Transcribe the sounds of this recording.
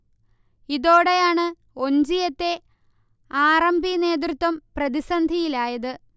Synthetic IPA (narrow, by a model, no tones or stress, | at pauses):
iðo̞ːɽejaːɳɨ | o̞ɲd͡ʑijɐt̪ːe̞ | aːrɐmbʱine̞ːt̪̬rɨt̪ːwɐmprɐðisɐnd̪ʱijilaːjɐðɨ